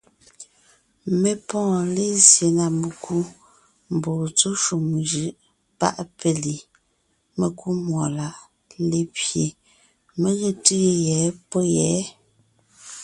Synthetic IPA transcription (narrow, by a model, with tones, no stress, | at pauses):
me˨pɔ̃ː˦˨le˦sje˨na˨me˨kʰu˦ | m̩˨bo˨t͡so˦ʃu˨m˨ʒɯ˨ʔ | pa̰˦ʔpe˦li˨ | me˨ku˦mwɔ˨la˨ʔ | le˦pje˨ | me˦ɣe˦ti˦e˦˨jɛː˨˦pɔ˦jɛː˨˦